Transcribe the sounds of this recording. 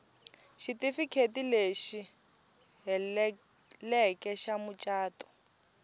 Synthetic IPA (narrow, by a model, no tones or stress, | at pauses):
ʃitifikʰetileʃi | lɛkɛʃamut͡ʃʼaːtɔ̥